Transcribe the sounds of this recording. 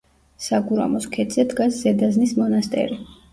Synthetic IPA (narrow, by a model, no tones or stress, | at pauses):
saɡuɾa̰mɔskʰɛd̪zɛd̪ɡaszɛd̪aznismɔnast̪ʼɛ̰ɾi